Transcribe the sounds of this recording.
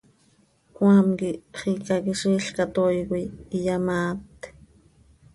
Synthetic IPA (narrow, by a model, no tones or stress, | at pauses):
kwamkiχikakiʃiːɬkat̪ojkʷiijamaːt̪